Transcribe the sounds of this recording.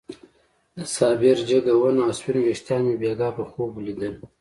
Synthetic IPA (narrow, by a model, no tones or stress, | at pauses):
d̪əsɑːbɪɾd͡ʒəɡawənaswinweʂt̪jɑːnebeɡɑːpəxoblid̪ən